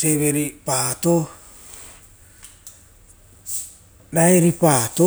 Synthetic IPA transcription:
seβeɾipaːt̪o | ɾaeɾipaːt̪o

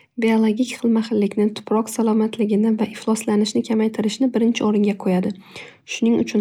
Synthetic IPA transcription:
biolˠoɡʲikʲχɨlˠmaχɪlːɪkʲnɪt̪ʰʊ̥pʰɾɒqsalˠɒmat̪ʰlɪɡʲɪnɪvaʔɪχlˠɒslanɪʃnɪkʲʰamajt̪ʰɪɾɪʃnɪbɪɾɪnt͡ʃʰɪɒɾɪŋɡʲaqʰojad̪ɪ | ʃʊnɪŋʊ̰t͡ʃʰʊn

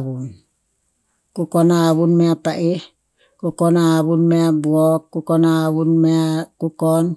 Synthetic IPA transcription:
βun | kukonaːβunmeapaʔi | kukonaːβunmeabuokːukonaːβunmeakukon

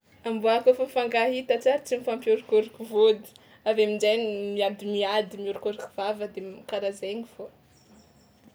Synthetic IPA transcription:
ambuakofamifaŋɡaɦit̪at͡saɾit͡simifampjoɾikoɾikuvod̪i̥ | avemid͡ʒajnimiad̪imiad̪imiuɾikoɾiku̥v̥avəd̪emikaɾazeŋifo

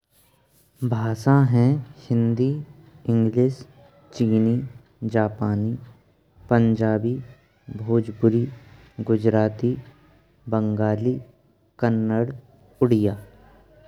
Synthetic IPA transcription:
bʱaːsãɦɛ̃ʃɪ̃nd̪i | ɪ̃ŋɡliːs | t͡ʃiːni | d͡ʒaːpaːni | pə̃ɲd͡ʒaːbi | bʱoːd͡ʒpʊɾi | ɡʊd͡ʒɾaːt̪i | bə̃ŋɡaːliː | kənːəɽ | ʊɽɪjaː

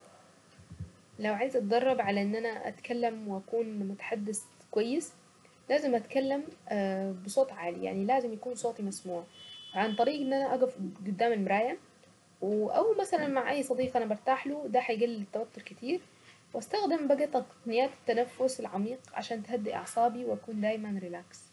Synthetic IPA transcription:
lawʕajzʔɑt̪̚d̪ɑrˤːɑbʕalaʔɪnːʔænæʔæ̰t̪kalːamwɪʔækuːnmʊt̪ḁħad̪ːɪskwajːɪs | laːzɪmʔæt̪kalːɪm | bɪsˤoːt̪ˤʕaːlija̰ʕnilaːzɪmjakuːnsˤoːt̪ˤimasmuːʕafʕant̪ˤɑɾiːɡʔɪnːʔænæʔæɡʊfɡʊd̪ːaːmɪlmʊɾˤaːjam | wɪʔawmasalanmaʕʔajːsˤɑd̪iːqʔanabɑɾˤt̪aːħlʊd̪aħajɡalːɪt̪ːawat̪ːʊɾkɪt̪iːɾ | wʔast̪axd̪ɪmbaɡat̪ɑt̪ɑ̥qnɪjːaːt̪ɪ̥t̪ːanafːʊsɪlʕamiːqʕa̰ʃaːnt̪had̪ːɪʔɑ̰ʕsˤɑːbiwɪʔakuːnd̪aːjmanɾɪlaːks

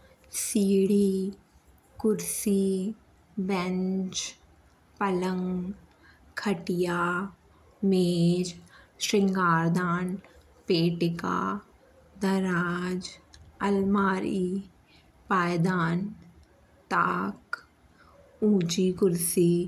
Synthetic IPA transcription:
siːɽi | kʊɾsi | bɛ̃ɲt͡ʃ | pələŋɡ | kʰəʈija | meːd͡ʒʃɾɪŋɡaːɾd̪aːn | peːʈɪka̰ | d̪ɐɾaːd͡ʒəlmaːɾi | paːjd̪aːn | t̪aːk | uːd͡ʒikʊɾsi

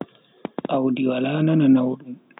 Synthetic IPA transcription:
ʔawdiwalaːnananawɗum

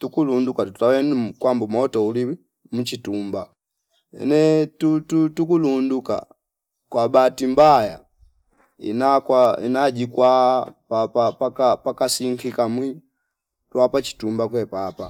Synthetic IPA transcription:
tukulundukatuutawɛnumkwambumɔtɔuli | mut͡ʃitumba | ɛ̰nɛtututukulunduka̰ | kwabatimbaja̰ | ḭnakwaḭnad͡ʒikwapapapakapakasiŋkikamwi | twapat͡ʃi̥tumbakwɛpapa̰

